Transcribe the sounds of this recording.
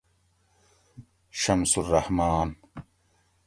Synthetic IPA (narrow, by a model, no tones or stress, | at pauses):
ʃɐmsurːɐhmaːn